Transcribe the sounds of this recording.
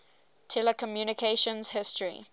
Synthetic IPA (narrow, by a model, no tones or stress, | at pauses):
tʰɛləkʰɔmjuːnɪkʰeʃə̃nz̥hɪstɹḭ